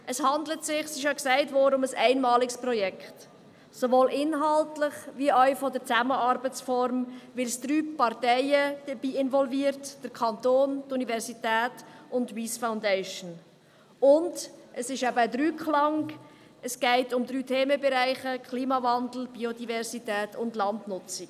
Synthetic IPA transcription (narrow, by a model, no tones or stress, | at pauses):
ʔəshɑndlətsɪχsɪʃ̬jɑksæɪtvɔːdəʊməsæɪnmɑːlɪksprɔjɛkχt | sovoːlʔɪnɦɑltlɪχviœʏfɔdəɾt͡sæməɑɾbət͡sfɔɾmvɪlsd̥ɾyːpɑɾtɛɪəd̥əbiːɪnvɔlviːɾtd̥əɾkʰɑntoːntunivɛɾzitɛːtʊntwiːsfaʊndɛɪʃn | ʊndʔəsɪʃɛbəːdɾyːkʰlɑŋ | əsɡ̥ɛɪtʊmd̪ɾyːtʰeːməbɛɾæɪχəkʰliːmɑvɑndl̩b̥iodivɛɾzitɛːtʊndlɑndnʊt͡sɪ̥